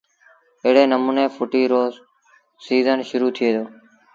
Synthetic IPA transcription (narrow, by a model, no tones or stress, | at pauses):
ɪɦɽeːnəmũːneːpʊʈiːɾoː | siːzənʃʊɾuːt̪ʰɪeːd̪oː